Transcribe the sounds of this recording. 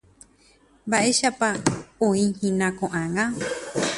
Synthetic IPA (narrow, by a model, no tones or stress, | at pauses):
baʔeʃapaõĩhĩnãkõʔãŋã